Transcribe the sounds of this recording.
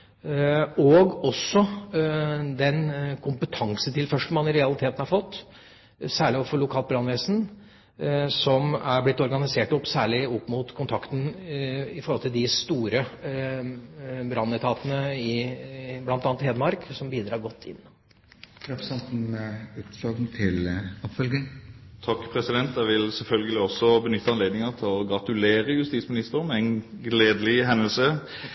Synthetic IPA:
ɔɡɔsːɔ | d̪ɛnkʰʊmpət̪ʰɑŋsət̪ʰɪlfœʂʈəmɑnɪɾɛɑlɪt̪ʰeːt̪ən̩hɑɾfɔt̪ː | sæːɭɪɔfɔɭʊkʰɑːlt̪̚bɾɑnʋɛːsn̩ | sɔmæɾblɪt̪ːɔɾɡɑnɪseːʈɔpːsæːɭɪɔpːmut̪kʰʊnt̪ʰɑkt̪ən̩ | ɪfɔɾhɔlt̪ɪld̪ɪst̪uːɾə | bɾɑnɪt̪ʰɑːt̪ənəɪblɑnt̪ɑnt̪heːd̪əmɑɾksɔmbiːd̪ɾɑːɾɡɔt̪ʰːɪ̰nː | t̪ʰɾɛpsɛnt̪n̩ʉːt̪ɔɡnt̪ʰɪlɔpfœlɡɪŋt̪ʰɑkːpʰɾɛsɪd̪ɛnt̪æʋɪlsɛlfœlɡəlɪɔsːɔbənʏt̪ːəɑnleːd̪nɪŋət̪ʰɪlɔɡʁɑt̪ʉleːɾəjʉst̪iːtsmɪnɪst̪əʁmɛɛnɡleːd̪əlɪɦɛnəlsə

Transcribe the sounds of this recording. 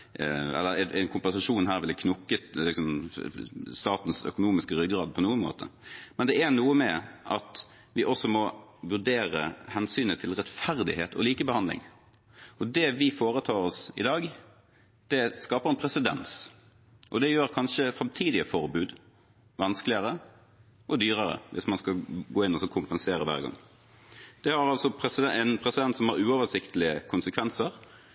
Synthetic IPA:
ɛ̰lːəɾɛnɛɪnkʰʊmpɛnsɑʂuːnɦæːɾʋɪlɛkʰnʊkːət̪lɪksɔm | st̪ɑːt̪n̩sœ̰kʊnuːmɪskəɾʏɡɾɑːd̪̚pʰɔnuːənmo̰ːt̪ʰə̰mɛnd̪ɛæɾnuːəmɛʔɑ̰t̪ | ʋɪʔɔsɔmɔʋʉʁɖeːɾə̰hɛnsyːnət̪ʰɪlɾɛt̪fæɾd̪ɪhḛːt̪ʰɔ̰liːkəbəhɑnd̪lɪ̰ŋ | ɔd̪ɛʋɪfoːɾət̪ʰɑːɾɔsɪ̰d̪ɑːɡ | d̪̥ɛskɑːpəʁɛnpʰɾɛsɪd̪ɛ̰ns | ʔɔd̪ɛjøːɾkʰɑnʃəfʁɑmt̪ʰiːd̪ɪəfɔɾbʉːd̪ | ʋɑnsklɪəɾə | ʔɔd̪yːɾəɾə̰ʋʔɪsmɑnskɑɡoːɪnːɔsɔkʰʊmpənseːɾəʋæ̰ːʁɡɑ̰ŋː | d̪̥ɛhɑɾɑlsɔpʰɾɛsɪd̪ɛɛnpʰɾɛsɪd̪ɛnt̪sɔmhɑɾʉːɔʋəsɪkt̪əlɪəkʰʊnsəkʰʋɛnsəɾ

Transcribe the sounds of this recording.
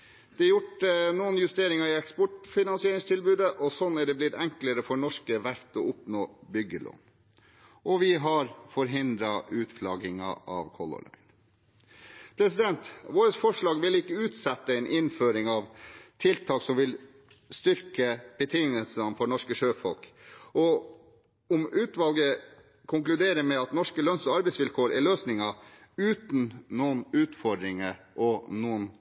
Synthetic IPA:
d̪̥ɛjʊʈənuːənjʉst̪eːɾɪŋɑɪɛkspɔʈfɪnɑnsɪeːɾɪŋst̪ʰɪlbʉːd̪əʔɔsɔnæɖɛblɪt̪ɛŋkləɾəfɔɳɔʂkəʋæɾt̪ɔʊpnoːbʏɡːəlʔɔ̰n | ʔɔʋɪɦɑɾfɔɾɦɪnd̪ɾɑʔʉːt̪flɑɡɪŋɑ̰ʔɑ̰ʋkʰɔlɔ̰lœ̰ɪn | pʰɾɛsɪd̪ɛnt̪ʋoːɾəsfɔʂɭɑːɡʋɪlɪkːəʉːt̪sɛt̪ːəɛɪnʔɪnføːɾɪŋɑʋt̪ʰɪlt̪ʰɑːksɔmʋɪl | st̪ʏɾkəb̥ət̪ʰɪŋnəlsɑnfɔɳɔʂkəʂøːfɔlkɔ | ɔmʉːt̪ʋɑlɡə | kʰʊŋklʉd̪eːɾəmɛɑt̪nɔʂkəlœnsɔɑɾbɛɪsʋɪlkʰoːɾʔæɭøːsnɪŋɑ | ʉːt̪nnuːnʉːt̪fɔɖ̪ɾɪŋə | ʔɔnːuːən

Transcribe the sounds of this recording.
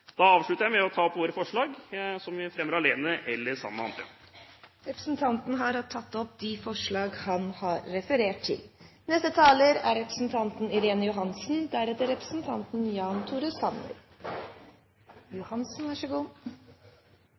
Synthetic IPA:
d̪̥ɑɑːʋʂɭʉt̪əɾjæɪmɛɔt̪ʰɑːɔpʋoːɾəfɔʂɭɑːɡsɔmʋɪfɾɛmːəɾɑleːnəʔɛlːəsɑ̰mːəɑ̰nt̪ʰə̰ | ɾɛpɾə̥sn̩t̪ʰɑnt̪n̩ɦɑɾɑt̪ʰːɑt̪ːɔp̚d̪ɪfɔʂɭɑːɡhɑnhɑɾːɛfəɾeːʈʈʰɪ̰l | nɛst̪ət̪ʰɑːləɾæɾɾɛpɾə̥sn̩t̪ʰɑnt̪n̩ɪɾeːnəjʊɦɑnsn̩d̪æɾɛt̪əɾɛpɾəsn̩t̪ʰɑnt̪n̩jɑːnt̪ʰuːɾʉsɑnːə̰ɾ | jʊhɑnsn̩ʋæʂəɡuː

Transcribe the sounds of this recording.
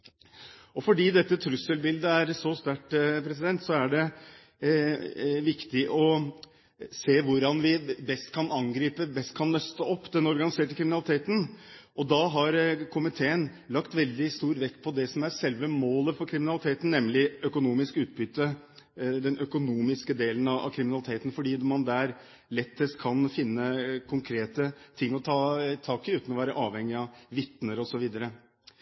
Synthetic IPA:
ɔfɔɖiːd̪ɛt̪ːət̪ʰɾʉsːəlbɪld̪əæɾsɔst̪æʈpʰɾɛsɪd̪ɛnt̪sɔæɖɛ | ʋɪkt̪ɪʔɔ | seːʋʊɾɑnʋɪbɛst̪kʰɑnɑŋɡɾiːpəbɛst̪̚kʰɑnːœst̪əɔpːd̪ɛnɔɾɡɑnɪseːʈəkʰɾɪmɪnɑlɪt̪ʰeːt̪ən̩ | ɔd̪ɑɦɑɾkʰʊmɪt̪ʰeːən | lɑkt̪ʋɛld̪ɪst̪uːɾʋɛk̪ːpʰɔd̪ɛsɔmæɾsɛlʋəmoːləfɔɾkʰɾɪmɪnɑlɪt̪ʰeːt̪n̩nɛmːlɪœkʊnuːmɪskʉːt̪̚bʏt̪ːə | d̪ɛnʔœkʊnuːmɪskəd̪eːlənɑʔɑ̰kʰɾɪmɪnɑlɪt̪ʰeːt̪n̩fɔɖiːmɑnd̪æɾ | lɛt̪ʰːəst̪kʰɑnfɪnːəkʰʊŋkʰɾeːt̪ət̪ʰɪŋːɔt̪ʰɑːt̪ʰɑːkɪʉːt̪ənɔʋæːɾəʔɑːʋhɛŋːɪɑʋɪt̪nəɾɔsɔʋiːd̪əɾə

